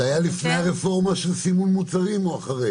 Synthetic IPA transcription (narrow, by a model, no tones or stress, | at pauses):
ajalifnejaʁefo̞ʁmaʃesimumːut͡saʁimoaχaʁe